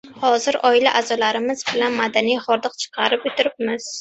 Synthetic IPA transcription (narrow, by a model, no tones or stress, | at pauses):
hɒzɪɾɒɪlaʔazɒlaɾɪmɪzbɪlanmad̪anijχɒɾd̪ɨqt͡ʃʰɨ̥qʰɑɾɪpot̪ʰɪɾɪp̚mɪz̥